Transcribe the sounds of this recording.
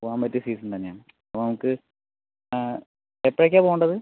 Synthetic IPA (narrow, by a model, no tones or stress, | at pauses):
aːmpɐtːisiːsɐnt̪ɐnːeaːɳɨ | ɐponɐmukːɨ | epːɐɭek̬ʲːaːpoːɣuɳɖɐðɨ